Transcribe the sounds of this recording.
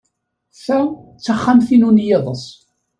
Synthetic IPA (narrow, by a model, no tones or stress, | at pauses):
θæt͡sːaχːamθinunjeðˤəsˤ